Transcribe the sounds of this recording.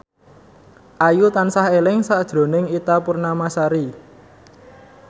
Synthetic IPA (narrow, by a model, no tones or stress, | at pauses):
ʔajut̪ansaɦelɪŋsaʔd̥ʒ̥ɾo̤nɪŋit̪apurnamasaɾi